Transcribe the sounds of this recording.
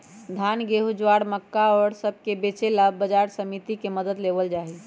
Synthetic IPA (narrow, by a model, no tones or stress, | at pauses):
d̪ʱanɡeɦud͡ʒwaɽməkːaɔɾsəb̚ʱkebet͡ʃelaːəd͡ʒaɾsəmit̪ikeməd̪əd̪lebəld͡ʒaɦi